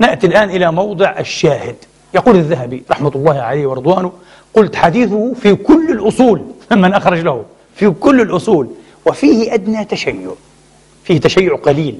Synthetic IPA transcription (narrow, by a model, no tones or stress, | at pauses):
nɪʔt̪ilʔaːnʔɪlamɑwd̪ˤɨʕʔaʃːaːhɪd̪ | jɑquːlɪðːaɦabiɾˤɑħmalˤːɑːhʕalaːwɪɾɨd̪ˤwaːnʊ | qʊlt̪ħad̪iːθʊhfikʊlːɪlʔʊsˤuːlmɪnʔaxɾˤɑd͡ʒlahʊ | fikʊlːɪlʔʊsˤuːl | wɪfiːhɪʔad̪nat̪aʃajːʊʕ | fiːht̪aʃajːʊʕqɑliːl